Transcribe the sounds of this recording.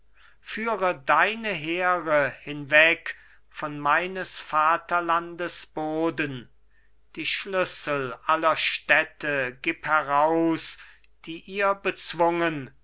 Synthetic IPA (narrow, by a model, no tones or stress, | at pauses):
fyːʁədaɪnəɦeːʁəhɪnvɛk | fɔnmaɪnəsfaːtɐlandəsb̥oːdən | d̥iːʃlʏsəl̩ʔalɐʃtɛtəɡɪphɛʁaʊs | d̥iːʔiːɐbət͡sv̥ʊŋən